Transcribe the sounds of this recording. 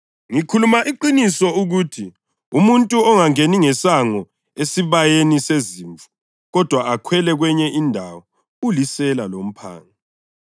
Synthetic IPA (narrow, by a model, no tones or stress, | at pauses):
ŋikʰulumaʔiǃinisɔuɣuːtʰi | umuntʼuɔŋaŋeniŋɛsaŋɔ | esiβajeniseziːɱvu̥ | ɣɔd̥ʱwaakʰwɛlɛɣwɛɲɛʔindʱawɔ | ulisɛlalom̩pʰa̰ːŋa